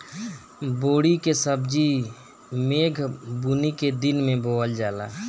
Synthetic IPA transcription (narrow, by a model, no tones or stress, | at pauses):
boːɽikesəbd͡ʒi | meːɡʱbuniked̪ɪnmẽboːəld͡ʒaːlaː